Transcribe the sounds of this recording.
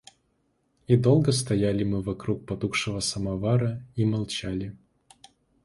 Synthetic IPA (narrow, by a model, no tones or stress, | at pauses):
id̪olˠɡəst̪ɐjalʲɪmɨvɐkɾuk̚pɐt̪ukʂɨvəsɐmɐvaɾəimɐlˠt͡ɕalʲɪ